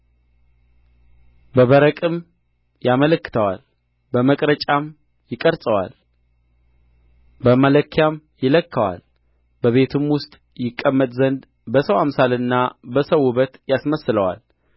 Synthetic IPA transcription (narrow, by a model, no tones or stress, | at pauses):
bəβəɾəkʼɨm | jamələkːɨ̥t̪ʰəwa̰l | bəməkʼɾət͡ʃʼam | jɪkʼəɾsʼəwa̰l | bəmələkʰːjam | jɪləkːəwa̰l | bəβe̞t̪ʰɨmwʊst̪ʼ | jɪkʼːəmːət̪ʼzənd̪ | bəsəwamsalɨnːabəsəwuβət̪jasməsləwa̰l